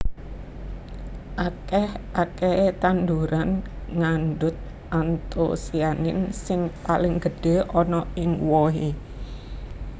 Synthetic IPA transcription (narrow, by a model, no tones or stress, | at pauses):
ʔakɛhʔakɛet̪and̪uɾanŋanɖʊt̪̚ | ʔant̪o̰sianɪnsɪŋpalɪŋɡəɖ̥e̤ʔɔnɔɪŋwɔɦi